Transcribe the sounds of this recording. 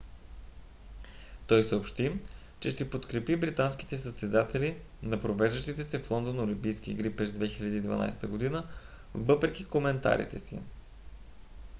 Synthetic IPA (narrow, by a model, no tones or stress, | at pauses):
t̪ɔjsəopʃt̪i | t͡ʃɛʃt̪ɛpot̪kɾɛpibɾit̪ansk̟i̥t̪ɛsəst̪ɛzat̪ɛli | nɐpɾovɛʒd̪əʃt̪it̪ɛsɛflˠɔnd̪onolimpijsk̟iːɡɾipɾɛzd̪vɛxilʲɐd̪iːd̪vɐ̰na̰jst̪əɡod̪inə | vɤpɾɛkʲikomɛnt̪a̰ɾḭt̪ɛsḭ